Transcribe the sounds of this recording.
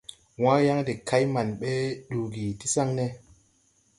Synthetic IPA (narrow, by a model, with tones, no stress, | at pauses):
wa˦ja˦ŋde˨kʰa˦jma˨nɓe˦ɗu˨ɡi˨ti˦sa˦ŋne˦